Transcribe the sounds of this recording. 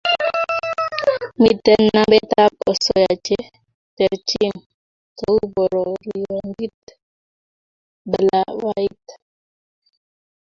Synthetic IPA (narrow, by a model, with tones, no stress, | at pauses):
mi˨tɛ˦nːa˦bɛ˦ta˦p̚ɔ˨sɔ˨ja˨t͡ʃe˦ | tɛ˨ɾt͡ʃi˦m | to˦u˦bɔ˨ɾɔ˨ɾi˨jɔ˨ŋɡi˦t | bə˨la˦wa˦i˦t